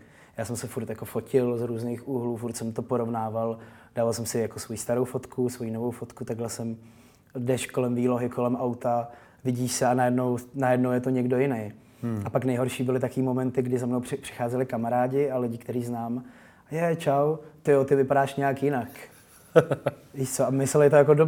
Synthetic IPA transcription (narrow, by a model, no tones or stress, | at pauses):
jaːsɛmsɛfuɾt̪jako̞fo̞cɪlzɾuːznejxuɦluːfuɾt̪sɛmt̪opoɾo̞vnaːvald̥aːvalsɛmsɪjakosvojist̪aɾo̞wfo̞t̪kʰusvo̞jino̞vowfo̞t̪kut̪aɡlɛsɛm | dɛʃko̞lɛmviːlo̞ɦɪkʰo̞lɛmʔawt̪a | vɪɟiːʃsɛanajɛdno̞wnajɛdnowjɛt̪oɲɛɡdo̞jɪnej | apaknɛjɦo̞ɾʃiːbɪlɪt̪akoiːmo̞mɛnt̪ɪɡdɪzamnowɪpr̥ɪ̥xaːzɛlɪkamaɾaːɟɪalɪɟɪkt̪ɛɾiːznaːm | jɛt͡ʃawt̪ɪjot̪ɪvɪpadaːʃɲɛakjɪnak | ɪʃt͡soʔamɪsɛlɪt̪ojakodo